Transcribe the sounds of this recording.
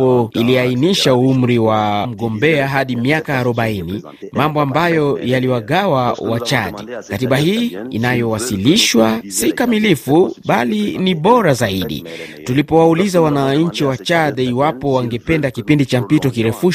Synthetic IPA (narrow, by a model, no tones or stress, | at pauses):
ɔiliainiʃauum̩ɾiwam̩ɡɔmbɛaɦaɗimiakaːɾɔɓaini | mambɔambajɔjaliwaɠawawat͡ʃaɗɛkatiɓahiːḭnajɔwasiliʃwasikamilifuɓaliniɓɔɾazaiɗḭtulipɔwaulizawanaɲ̩t͡ʃiwat͡ʃaɗɛiwapɔwaŋɡɛpɛndakipindit͡ʃam̩pitɔkiɾɛfuʃ